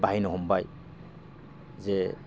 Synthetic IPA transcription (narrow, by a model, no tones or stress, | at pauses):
baɦijnɔɦɔmbaj | zɛ